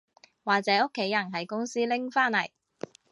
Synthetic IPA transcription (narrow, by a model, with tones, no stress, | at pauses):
waː˨k̚t͡sɛː˨˥o˥kʰːe˨˥jːɐ˨˩nɦɐ˨jkʊ˥ŋsiː˥lɪ˥ŋfaː˥nlɐ˨˩j